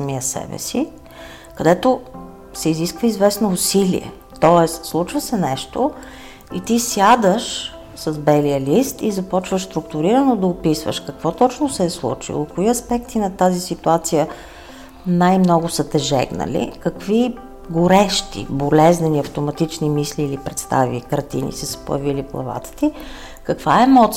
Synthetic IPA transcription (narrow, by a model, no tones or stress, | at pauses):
miəsɛ̰bɛ̰si | kɐd̪ɛt̪o | sɛiziskvəizvɛsnoːsilḭɛ̰ | t̪ɔɛst̪slˠut͡ʃvəsɛnɛʃt̪o | it̪isjad̪əʃ | səzbɛlijəlist̪izɐpɔt͡ʃvəʃst̪ɾʊkt̪ʊɾiɾənod̪ɐʊpisvə̰ʃkəkv̥ɔt̪ɔt͡ʃnosɛːslˠṵt͡ʃḭlˠokoiɐspɛk̚t̪inɐt̪azisit̪uat̪sijə | najmnɔɡʊsət̪ɛʒɛ̰ɡnə̰lḭkəkvi | ɡʊɾɛʃt̪ḭbolɛznəniɐft̪ʊmɐt̪it͡ʃnimisliːlipɾɛt̪st̪a̰vḭkəɾt̪ḭnḭsəsə̥po̰jəviliplˠɐ̰va̰t̪ə̥t̪i | kəkv̥aɛmɔt̪s